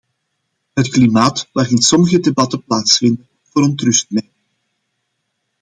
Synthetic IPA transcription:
ɦətklimaːtʋaːrɪntsɔməɣədebɑtəplaːtsfɪndən | v̥ʊːɾəntrʏst̚mɛɪ

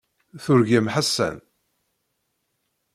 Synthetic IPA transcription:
θʊɾʝəmħasːæ̰n

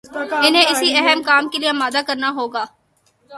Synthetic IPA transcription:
ɪnẽːɪsiːɛɦəmkaːmkelɪjãːmaːd̪aːkəɾnaːɦoːɡaː

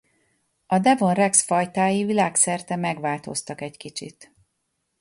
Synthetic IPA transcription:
ɒd̪ɛvo̞nrɛksfɒjt̪aːjivilaːksɛrt̪ɛmɛɡʋaːlt̪o̞̰st̪ɒkɛckit͡ʃḭt̪

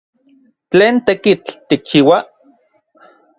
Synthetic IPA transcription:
t͡ɬeːnt̪ekit͡ɬt̪ik̚t͡ʃiwa

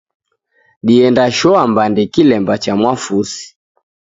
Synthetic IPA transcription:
ɗiɛndaʃɔambandɛkilɛmbat͡ʃamwafusi̥

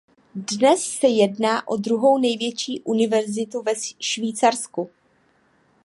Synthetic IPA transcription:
dnɛssɛjɛdnaːʔodɾuɦo̞wnɛjvjɛt͡ʃiːʔunɪvɛɾzɪt̪uvɛʃviːt͡saɾsku

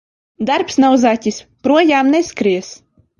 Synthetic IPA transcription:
d̪aɾpsnawzatʲispɾuɔjaːmneskɾiɛs

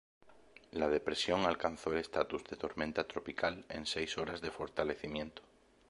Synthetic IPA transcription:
lað̞e̞pɾe̞sjo̞ŋalkan̟θoele̞st̪at̪uzðet̪o̞ɾmẽnt̪at̪ɾo̞pikale̞̰nsejso̞ɾazðe̞fo̞ɾt̪ale̞θimjẽ̞nt̪o̥

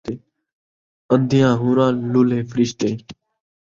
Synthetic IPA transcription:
eː | ənd̪ʱɪjãːɦuːɾãːluːleːfɾɪʃt̪eː

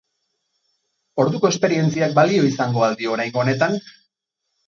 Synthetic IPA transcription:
o̞ɾðuko̞e̞spe̞ɾie̞nt͡siak̚balio̞isaŋɡo̞ald̪io̞ɾajŋɡone̞t̪aŋ

